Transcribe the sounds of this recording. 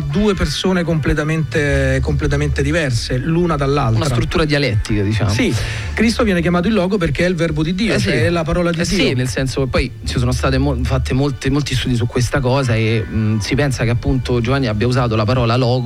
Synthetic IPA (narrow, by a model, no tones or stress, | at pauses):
d̪uːepersoːnek̬omplet̪ament̪ekomplet̪ament̪ed̪ivɛrseluːnad̪alːaltunasɾt̪ɾut̪ːuːɾad̪ialɛt̪ːikad̪it͡ʃa̰ːmsi | kɾist̪ovjɛːnekjamaːt̪̬oilːɔːɡop̬erk̟eɛilvɛrbod̪id̪ːiːot͡ʃɛɛlapaɾɔːlad̪iɛsːiːinelsɛnsokepːɔj | t͡ʃisoːnost̪aːt̪̬emofat̪ːemolt̪emolt̪is̬t̪uːd̪is̬ukːwest̪akɔːzaesipɛnsakeapːunt̪od͡ʒovanːiabjauzaːt̪̬olapaɾɔːlalɔːɡ